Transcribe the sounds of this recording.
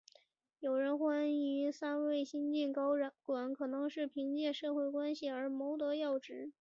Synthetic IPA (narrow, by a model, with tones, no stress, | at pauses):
jo˨˩ʊɻə˧˥nxwa˥ny˧˥sa˥nwe˥˩ɪɕi˥nt͡ɕi˥˩nkɑ˥ʊ˧˩kwa˨˩˦nkʰɤ˨˩nɤ˧˥ŋʂɻ̩˥˩pʰi˧˥ŋt͡ɕjɛ˥˧ʂɤ˥˧xwe˥˩ɪkwa˥nɕi˨˩ə˞˧˥mo˧˥ʊt̪ɤ˧˥jɑ˥˩ʊʈ͡ʂɻ̩˧˥